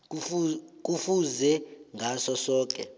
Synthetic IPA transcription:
k̬ufuzɛŋʱasɔsɔːk̬ʼɛ̰

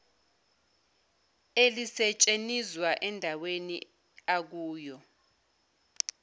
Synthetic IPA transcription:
elisɛt͡ʃʼenizwaʔɛndʱawenḭ | ak̬uːjɔ

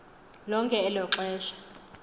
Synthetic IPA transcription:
lɔŋkʼɛːlɔǁwɛːʃḁ

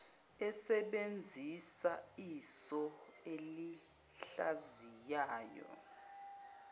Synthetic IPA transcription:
ɛsɛɓend͡zʱisaisɔeli | ɬazijaːjɔ̰

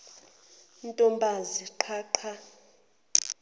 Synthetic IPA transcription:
ntʼɔmbʱaziǃʰaːǃʰa

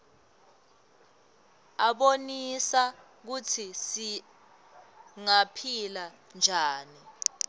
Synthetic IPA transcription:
aɓonisa | k̬utʰisi | ŋapʰila | nd͡ʒʱaːni

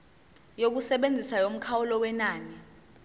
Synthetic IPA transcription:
jok̬usɛɓend͡zʱisajom̩kʰawulɔwɛnaːni

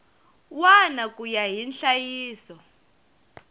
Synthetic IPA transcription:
wanakʼujaɦinɬajiːsɔ

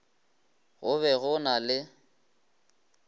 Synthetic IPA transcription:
ɣʊβɛɣʊnalɪ

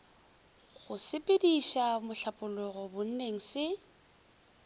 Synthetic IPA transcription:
ɣʊsɪpʼɪdiʃamʊɬapʼʊlʊɣɔbʊn̩neŋ̩sɪ

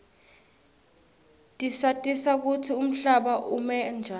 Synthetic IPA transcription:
tʼisatʼisak̬utʰium̩ɬaɓaʔumɛnd͡ʒʱa

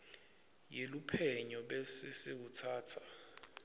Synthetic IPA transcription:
jelupʰɛɲɔɓɛsɪsewutʰaːtʰḁ

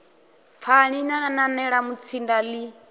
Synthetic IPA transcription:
fʰaɺinanananɛɺamut͡sʰindali

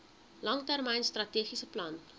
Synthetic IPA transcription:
lɐŋtærmɛjnstrɐtiːχisəplɐn

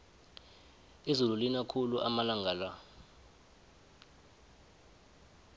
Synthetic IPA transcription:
izululinakʰuluʔamalaŋɡʱala

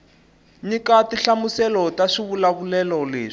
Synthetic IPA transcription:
ɲikatiɬamusɛlɔtaʂiβulaβulɛlɔlḛːʂ

